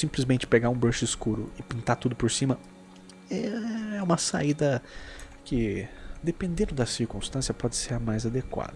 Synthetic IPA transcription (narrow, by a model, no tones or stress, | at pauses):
sĩmplɪzmẽnt͡ʃɪ̥peɡaɾũbɾeʃʊɪskuɾʊɪpĩnt̪at̪ud̪ʊpoɾsĩmɐ | ɛɛũmɐsa̰id̪ɐ | kɪd̪epẽnd̪ẽnd̪ʊd̪ɐsiɾkũst̪ɐ̃sjɐpɔd͡ʒɪseɾmajzad̪ekwa̰d̪ɐ